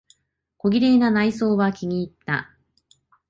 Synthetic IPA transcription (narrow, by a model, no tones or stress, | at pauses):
ko̞ɡʲiɾe̞ːnanaiso̞ːβakʲiɲ̟iːt̪ːa̰